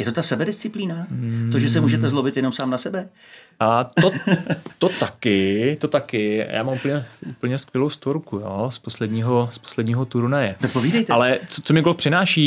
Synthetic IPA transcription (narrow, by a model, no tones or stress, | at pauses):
jɛt̪ot̪asɛbɛdɪst͡sɪpliːnat̪oʒɛs̬ɛmuːʒɛt̪ɛzlobɪt̪jɛnomsaːmnasɛbɛ | t̪ot̪ot̪akɪt̪ot̪akɪjʔa̰ːmamupl̩ɲɛupl̩ɲɛskʋjɛlowst̪oɾkujoːsposlɛdɲiːɦospo̥slɛdɲiːɦot̪uɾunajɛot̪̚poviːdɛjt̪ɛalɛt͡sot͡somɪɡolfpr̝̥ɪnaːʃiː